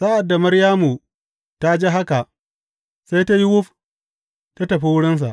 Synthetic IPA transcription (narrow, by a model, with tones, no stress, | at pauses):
sa˦ʔa˨dːa˨mɐ˦ɾjaː˦mu˨ | ta˦d͡ʒe˦ɦa˦ka˨ʔ | sa˦jta˦ji˦wʊ˦ɸ | ta˦tɐ˨ɸi˦wʊ˦ɽɪ˦ns̬a̰˨ʔ